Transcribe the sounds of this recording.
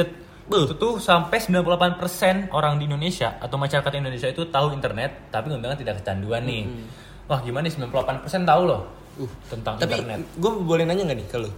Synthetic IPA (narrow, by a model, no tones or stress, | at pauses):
ət̪ | t̪usampɛsəmbilanpulapanpərsɛnʔoɾaŋdiːndonesiaʔat̪awmaʃaɾakat̪indonesiait̪ut̪aɦuint̪ərnɛt̪ːapiŋundaŋant̪idakːət͡ʃanduanːɪh | wahɡimanaisəmbilanpulapanpərsɛnt̪aulɔh | ut̪ənt̪aŋiaərnɛ̰t̪ɡuabəbolɛnaɲaŋɡanɪhkalo